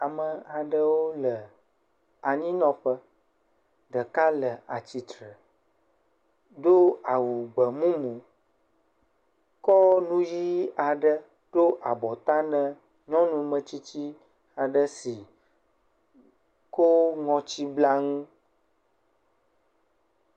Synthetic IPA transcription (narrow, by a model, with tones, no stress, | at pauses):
a˨mə˨a˨ɖə˦wo˦lə˨ | a˨ɲĩ˦nɔ̃˦ɸə˦ | ɖə˨ka˦lə˨a˨t͡ɕi˨t̪ɾə˨ | ɖo˦a˨wu˨ɡ͡bə˨mũ˦mũ˨ | kɔ˦nũ˦ji˦a˨ɖə˦ | ɖ̥o˦ʔa˨bɔ˨t̪a˦nə̃˨ | ɲɔ̃˦nũ˦mə̃˨t͡ɕi˦t͡ɕi˦ | a˨ɖə˦si˨ | ko˦ŋɔ̃˨t͡ɕi˦bla˦ŋũ˦